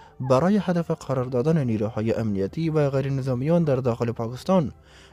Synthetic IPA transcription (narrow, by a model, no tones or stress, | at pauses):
baɾɑːjɪhad̪afɪqʰaɾɑɾd̪ɑd̪anɪniɾuhɑːjeʔamnijat̪ivaɣajɾɪnɪzɑːmijɑnd̪aɾd̪ɑxɪlɪpʰɑkɪst̪ɑn